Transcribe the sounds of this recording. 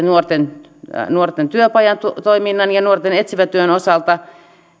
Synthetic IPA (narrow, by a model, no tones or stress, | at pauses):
nuort̪en | nuort̪ent̪yøpɑjɑnt̪ut̪oiminːɑnjɑnuort̪enet̪siʋæt̪yønosɑlt̪ɑ